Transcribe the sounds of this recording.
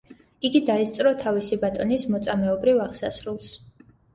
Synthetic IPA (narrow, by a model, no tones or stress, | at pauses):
iɡid̪aɛst̪sʼɾɔt̪ʰavisibat̪ʼɔnismɔt̪sʼamɛɔbɾivaʁsasɾulˠs